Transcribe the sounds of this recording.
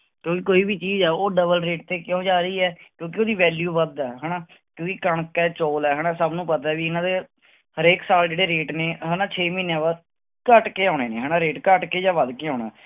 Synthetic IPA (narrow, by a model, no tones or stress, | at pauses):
kjõːkikoːiːbiːt͡ʃiːzɛːoːɖəbəlɾeːʈ̚t̪eːkjõːd͡ʒaːɾiːɛːkjõːk̬ɪoːd̪iːʋɛːljuːʋəd̪ɛːɦɛːnãː | kjõːkɪkəɳkɛːt͡ʃoːlɛːɦɛːnãːsəbnũːpət̪aːɛʋiːɪnãːd̪eː | həɾeːksaːld͡ʒeːɽeːɾeːʈneːɦɛːnãːt͡ʃʰeːmĩːnẽːʋəd̪ | kəʈkeːaːɽ̃eːneːɦɛːnaːɾeːʈkəʈkeːd͡ʒãːʋəd̪keːoːna̰ː